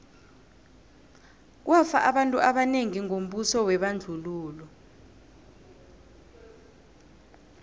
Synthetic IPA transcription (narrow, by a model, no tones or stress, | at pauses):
k̬wʔafa̰ʔaɓantʼuaɓaneŋiŋom̩ɓusɔwɛɓand͡ɮʱuluːlɔ